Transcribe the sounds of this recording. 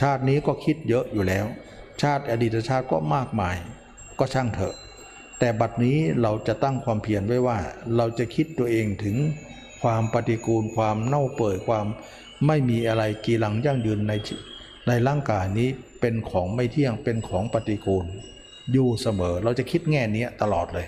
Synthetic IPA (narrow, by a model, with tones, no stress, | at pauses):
t͡ɕʰaː˥˩t̪̚niː˦˥kɔː˥˩kʰi˦˥t̪̚jɤ˦˥ʔjuː˨˩lɛː˦˥w | t͡ɕʰaː˥˩t̪̚ʔa˧diː˨˩t̪̚ːa˧t͡ɕʰaː˥˩t̪̚kɔ̰ː˥˩maː˥˩k̚maː˧j | kɔː˥˩t͡ɕʰa˥˩ŋt̪ʰɤ̰˧˩ʔ | t̪ɛː˨˩ba˨˩t̪̚niː˦˥ɾa˧wt͡ɕa˨˩t̪a˥˩ŋkʰwaː˧mpʰi˧˩ənwa˥˩jwaː˧˥˩ɾa˧wt͡ɕa˨kʰi˦˥t̪ːu˧əʔeː˧ŋt̪ʰɯ˩˦ŋ | kʰwaː˧mpa˧t̪i˧kuː˧nkʰwaː˧mna˥˩wpɤː˨˩t̪̚kʰwaː˧mː | a˥˩jmiː˧ʔa˧ɾa˧jkiː˧la˧ŋja˥˩ŋjɯː˧nːa˧jʰ | na˧jlaː˥˩ŋkaː˧jniː˦˥pe˧nkʰɔː˩˦ŋma˥˩jt̪ʰi˥˩əŋpe˧nkʰɔː˩˦ŋpa˧t̪i˧kuː˧n | juː˨˩sa˧mɤː˩˦ɾa˧wt͡ɕa˨˩kʰi˦˥t̪̚ŋɛː˥˩ni˦˥ɐt̪a˧lɔː˨˩t̪̚lɤː˧j